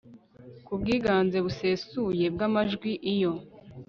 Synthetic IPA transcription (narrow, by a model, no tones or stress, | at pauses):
kub̚ɡiːɡaːnze̞βuse̞suje̞b̚ɡamaʒɡwiʔijo̞